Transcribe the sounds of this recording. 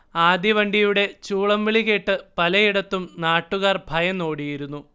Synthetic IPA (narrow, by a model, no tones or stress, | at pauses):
aːd̪jiʋɐɳɖijuɽe̞t͡ɕuːɭɐmʋiɭiɣeʈːɨpɐlɐjiɽɐt̪ːumnaːʈːuɣaːrbʱɐjɐmno̞ːɽijiɾunːu